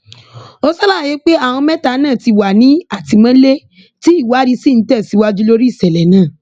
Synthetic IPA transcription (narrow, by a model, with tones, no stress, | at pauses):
o˦sɔ˦la˦˨je˨˦k͡pe˦a˦˨w̃ɔ̃˧mɛ̃˦ta˨˧˦nãː˦˨ti˧wa˨nĩ˨˦a˦˨ti˧mã˦le˦ | ti˦i˦˨wa˨˦ɾi˧si˦˨n̩˨˦tɛ˦˨si˨˦wa˦d͡ʒu˦lo˦ɾi˦˨sɛ˨lɛ˨nãː˨˦˨